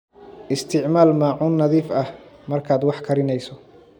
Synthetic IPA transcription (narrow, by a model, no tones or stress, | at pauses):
ʔɪst̪ʰɪʕmaːlmaːʕʊːnːɐðiːfɐhmɐrkʰaːd̪wɑħkʰɐɾɪnɛjsɔ